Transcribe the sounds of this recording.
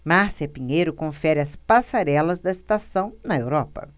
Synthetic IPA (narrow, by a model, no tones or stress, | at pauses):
maɾsiɐpĩɲejɾʊkõfɛɾɪɐspasaɾɛlɐzd̪ɐɪst̪asɐ̃w̃nɐewɾɔpɐ̰